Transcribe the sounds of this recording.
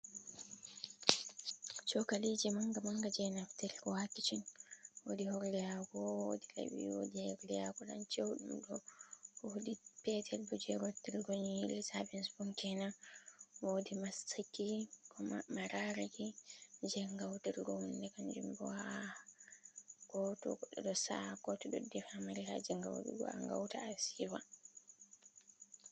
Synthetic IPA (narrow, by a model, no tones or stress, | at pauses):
t͡ʃɔkalid͡ʒɛmaŋɡamaŋɡad͡ʒɛnaftɛlkɔwatːit͡ʃinwo̰dihɔɾlɛjakɔwodilḛbḭwo̰dihɛɾlɛjaɡɔɗa̰nt͡ʃewɗṵmɗɔkɔudipɛtʰɛlbud͡ʒɛɾotːiɾɡoɲihilːɛsabɛnsbɔŋkɛna | wodimastikːikʰɔmaɾaɾikid͡ʒɛŋɡawtiɾɡɔhundɛkand͡ʒumbɔ̰ha | ɡ̥ɔtɔ̰ɡɔɗɔɗɔsakɔtɔɗɔ̰dɛfamaɾiha̰d͡ʒɛŋɡa̰wɗṵɡɔ̰a̰ŋɡa̰wtaasifa